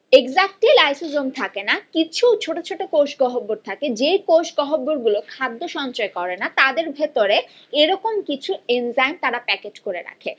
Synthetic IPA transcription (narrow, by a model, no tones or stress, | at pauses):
eɡzak̚ʈilajsozomt̪ʰakenakit͡ɕʰuwt͡ɕʰoʈot͡ɕʰoʈokowʃɡɔɦobːoɾt̪ʰaked͡ʑekowʃɡɔɦobːoɾɡulokʰad̪ːoʃɔnt͡ɕoekɔɾenat̪ad̪eɾbʱet̪oɾe | eɾɔkomkit͡ɕʰuenzajnt̪aɾapɛkeʈkoɾeɾa̰kʰe